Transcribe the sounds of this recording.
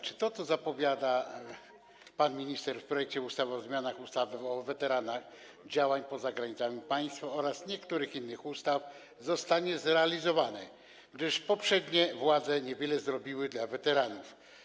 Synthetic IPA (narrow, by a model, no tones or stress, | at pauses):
t͡ʂɘ̥t̪ɔt̪sɔzapɔvʲjad̪a | panmʲiɲist̪ɛɾfpɾɔjɛk̚t͡ɕɛust̪avɔzmʲjanaxust̪avɘɔvɛt̪ɛɾanax | d͡ʑawaɲpɔzaɡɾaɲit̪samʲipaj̃st̪faɔɾasɲɛkt̪uɾɘxinːɘxust̪af | zɔst̪aɲɛzɾɛalʲizɔvanɛ | ɡd̪ɘʂpɔpʂɛd̪ɲɛvwad̪zɛɲɛvʲjɛlɛzɾɔbʲiwɘd̪lavɛt̪ɛɾanuf